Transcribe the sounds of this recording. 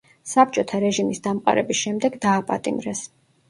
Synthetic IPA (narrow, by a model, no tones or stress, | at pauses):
sap̚t͡ʃʼɔt̪ʰaɾɛʒimisd̪amqʼa̰ɾɛbisʃɛmd̪ɛɡd̪aːpʼa̰t̪ʼimɾɛs